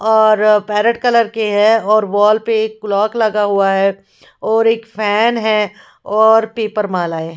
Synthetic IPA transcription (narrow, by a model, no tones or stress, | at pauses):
ɔːɾpɛːɾəɖkɐləɾkeɦɛɔːɾʋɔːlpeeːkːʊlɔːklɐɡaɦuaɦɛ | ɔːɾeːkfʰɛːnɦɛ̃ | ɔːɾpeːpəɾmãːlaːe